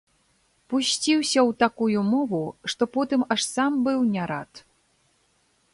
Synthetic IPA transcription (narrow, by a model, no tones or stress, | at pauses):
pusʲt͡sʲiwsʲɐwt̪akujumɔvuʂt̪ɔpɔt̪ɨmaʂsambɨwnʲaɾat̪